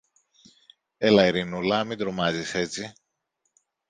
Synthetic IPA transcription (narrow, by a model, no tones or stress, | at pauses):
elɐiɾinulɐmid̪ɾomɐzise̞t͡si